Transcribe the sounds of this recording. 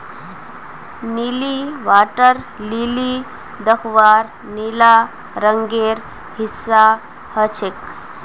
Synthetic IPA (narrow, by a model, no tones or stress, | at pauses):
niliʋaʈəɾ | lili | d̪əkʰʋaɾ | nila | ɾəŋɡeɾ | hisːa | hət͡ɕʰek